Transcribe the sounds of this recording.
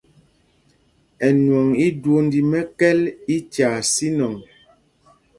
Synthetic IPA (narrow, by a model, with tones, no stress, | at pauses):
ɛ˨nwɔ˨ŋi˦dwo˦n˦di˨mɛ˦kɛ˦li˦t͡ʃaː˨si˦nɔ˨ŋ